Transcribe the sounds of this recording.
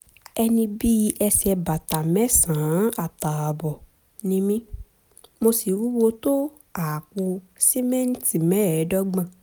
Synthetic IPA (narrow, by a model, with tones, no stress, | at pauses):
ɛ˧nĩ˧bi˦˧ʔɛ˧sɛ˧ba˨ta˨mɛ̃˦sãː˨˦a˦˨ta˨a˨bɔ˨ | nĩ˦mĩ˦ | mo˧si˨wu˦wo˧to˦ | a˨k͡po˧ | si˦mɛ̃˦n̩˦ti˨mɛ̃˦˨ɛ˨˦dɔ˦ɡ͡bã˧˨